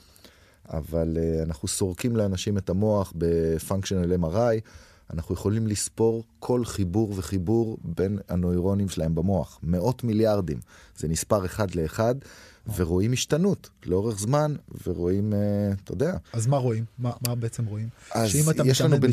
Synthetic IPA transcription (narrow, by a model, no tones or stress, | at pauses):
a̰valeanaχuso̞ʁkimleanaʃimetamo̞aχbe̞faŋkʃonlemaʁaj | anaχuje̞χo̞limlispo̞ʁkʰo̞lχibuʁve̞χibuʁbe̞nano̞iʁo̞nimʃelae̞mbamo̞aχme̞o̞tmiljaʁd̪imz̥emispaʁeχad̪le̞ːχadve̞ʁo̞imiʃtanutleo̞ʁe̞χzmanveʁo̞imet̪od̪eaazmaʁoimːamabeet͡semʁoimazimajeʃlanub